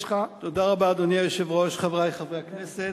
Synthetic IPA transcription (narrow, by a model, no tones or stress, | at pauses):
χat̪od̪aʁabad̪oniajoʃevʁoʃχavʁajχavʁeaknese